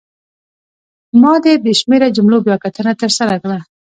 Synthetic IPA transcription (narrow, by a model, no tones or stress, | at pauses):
mɑd̪eb̪eʃmeɾad͡ʒʊmlobjɑkat̪ənat̪əɾsaɾakla